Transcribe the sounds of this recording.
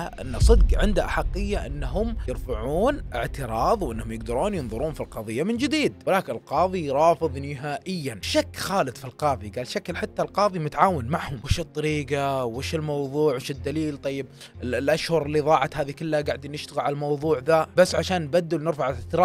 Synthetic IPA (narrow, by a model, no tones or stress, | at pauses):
ʔʔɪ̰nːasˤɨd̪qʕɪnd̪aʔaħaqːɪjːaʔɪnːaɦʊmjɪɾfaʕuːnʔɪʕt̪ɪɾˤɑːðˤwʔɪnːhʊmjɪɡd̪ɑɾˤuːnjɨnðˤʊɾuːnfilqɑðˤɨjːamɪnd͡ʒɪd̪iːd̪wɪlaːkɪnɪlqɑːðˤiɾˤɑːfɨðˤnɪɦaːʔɪjːanʃakːxaːlɨd̪ˤfilqɑːðˤiɡaːlʃaklħat̪ːalqɑːðˤimʊt̪aʕaːwɪnmaʕhʊmwɪʃɨt̪ˤːɑɾiːqɑwɪʃɪlmɑwðˤuːʕwɪʃɪd̪ːaliːlt̪ˤɑjːɪb̚ | ɪlʔaʃhʊɾˤɪlːiðˤɑːʕat̪haːðikɪlːaɡaʕd̪inɪʃt̪aɣɪlʕalmɑwðˤuːʕðabasːʕaʃaːnːbad̪ːɪlnɪɾfaʕɪɪʕt̪ɪɾˤɑː